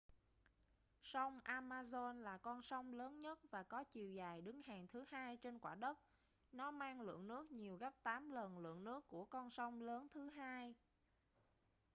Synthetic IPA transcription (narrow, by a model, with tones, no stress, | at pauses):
sa˧wŋ͡mʔaː˧maː˧zo˧nlaː˨˩kɔ˧nsa˧wŋ͡mləː˨˦nɲə˦˥t̚vaː˨˩kɔ˨˦t͡ɕi˨˩əwzaː˨˩jɗɨ˨˦ŋhaː˨˩ŋt̪ʰɨ˨˦haː˧jt͡ɕe˧nkwaː˧˩ɗə˦˥t̚ | nɔ˨˦maː˧ŋlɨ̰˧˨əŋnɨ˦˥ək̚ɲi˨˩əwɣə˦˥p̚t̪aː˨˦mlə˨˩nlɨ̰˧˨əŋnɨ˦˥əkːu˧˩əkɔ˧nsɔ˧wŋ͡mləː˨˦nt̪ʰɨ˨˦ɦaː˧j